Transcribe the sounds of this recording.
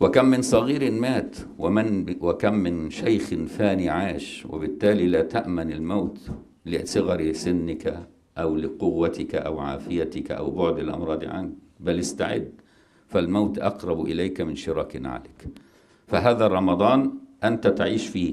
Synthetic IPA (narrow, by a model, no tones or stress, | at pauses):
wɪkamːɪnsˤɑɣiːɾɪnmaːt̪ | wɪmɪnwɪkamːɪnʃajxɪnfaːniʕaːʃwɪ̰bɪt̪ːaːlilaːt̪aʔmanɪlmawt̪ | lɪsˤɨɣɑɾsɪnːɪka | ʔawlɪqʊwːat̪ɪkaʔawʕa̰ːfɪjat̪ɪkʔa̰wbʊʕd̪ɪlʔɑ̰mɾˤɑːd̪ˤʕa̰nk̚ | balɪst̪aʕɪ̰d̪ː | falmawt̪ʔɑqɾˤɑbʔɪlajkamɪnʃɪɾˤɑːkɪna̰ʕa̰lɪk | faɦaːðarˤːɑmɑd̪ˤɑːnʔant̪at̪aʕiːʃfiː